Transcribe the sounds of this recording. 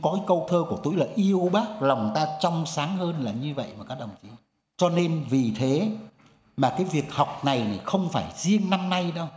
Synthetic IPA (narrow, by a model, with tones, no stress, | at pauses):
kɔ˨˦kaː˨˦kə˧wt̪ʰəː˧ku˧˩ət̪u˧˥˦jlaː˨˩ʔi˧əwɓaː˦˥k̚la˨˩wŋ͡mt̪aː˧t͡ɕɔ˧wŋ͡msaː˨˦ŋhəː˧nlaː˨˩ɲɨ˧və̰˧˨jmaː˨˩kaː˦˥k̚ɗə˨˩wŋ͡mt͡ɕi˨˦ | t͡ɕɔ˧ne˧nvi˨˩t̪ʰe˨˦ | maː˨˩kaː˨˦jvi˨˩ək̚hɔ˨˩wk͡p̚na˨˩jna˨˩xə˧wŋ͡mfaː˧˩jzi˧əŋna˧mna˧jɗə˧w